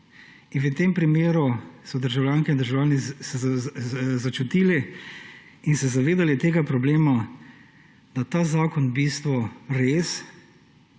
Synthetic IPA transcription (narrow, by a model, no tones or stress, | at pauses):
inʋət̪empɾimeːɾusɔd̪əɾʒawljaːŋkɛind̪əɾʒawljaːnisɛ | zat͡ʃut̪iːlɛ | insɛzaʋeːd̪alit̪eːɡapɾɔbleːma | d̪̥at̪aːzaːkɔnbiːst̪ʋɔɾeːs